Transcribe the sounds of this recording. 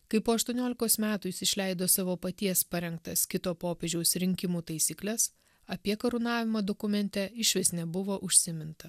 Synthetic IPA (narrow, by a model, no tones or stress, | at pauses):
kɐɪpoːɐʃt̪uɔnʲoːlʲɪkoːsmʲæːt̪uːɪsɪʃʲlʲɛɪd̪oːsɑːʋoːpɐt̪ʲiɛspɐɾʲɛŋk̚t̪ɐskʲɪt̪oːpoːpʲeːʒʲɛʊsɾʲɪŋʲkʲɪmuːt̪ɐɪsʲiːklʲɛs | ɐpʲiɛkɐɾʊnɑːʋʲɪmɐd̪okʊmʲɛnʲt̪ʲɛɪʃʲʋʲɪsʲnʲɛbʊʋoːʔʊʃʲsʲɪmʲɪnt̪ɐ